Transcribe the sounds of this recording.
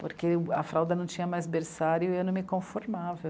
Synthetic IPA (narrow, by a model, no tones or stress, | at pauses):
poɾkeɐfɾawd̪ɐnɐ̃w̃t͡ʃĩɲɐmajzbeɾsaɾjʊewnɐ̃w̃mɪkõfoɾmavɐ